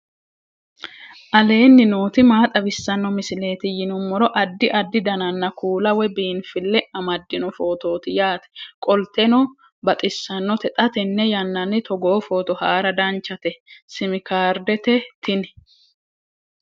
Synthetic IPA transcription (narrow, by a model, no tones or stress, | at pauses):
ʔɐle̞ːnːɪnuːt̪ɪmaːt̪ʼɐbɪsːɐnːɔmɪsɪle̞ːt̪ɪjɪnʊmːɔɾɔʔɐd̪ːɪʔɐd̪ːɪd̪ɐnɐnːɐkʰuːlɐwɛbiːnfɪlːɛɐmɐd̪ːɪnɔfo̞ːt̪o̞ːt̪ɪjaːt̪ɛ̥kʼɔlt̪ɛnɔ | bɐt̪ʼɪsːɐnːɔt̪ɛt̪ʼɐt̪ɛnːɛjɐnːɐnːɪt̪ʰɔɡoːfo̞ːt̪ɔhaːɾɐd̪ɐnt͡ʃːɐt̪ɛsɪmɪkaːɾd̪ɛt̪ɛt̪ʰɪnɛ